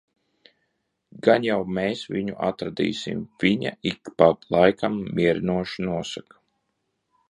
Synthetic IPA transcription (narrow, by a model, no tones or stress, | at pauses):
ɡanjawmeːsviɲuʔa̰t̪ɾad̪ḭːsḭmv̥iɲa̰ikpalˠajkamːiɛɾinuɔʃinuɔsak